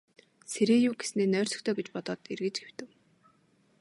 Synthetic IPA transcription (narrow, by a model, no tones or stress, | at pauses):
seɾeːjuːɡe̥sneːnœːr̥ʲsɞ̆xt̪ʰœːɡet͡ɕpɔt̪ɔːt̪erɣɘ̆t͡ɕɡew̥t̪ɘ̆w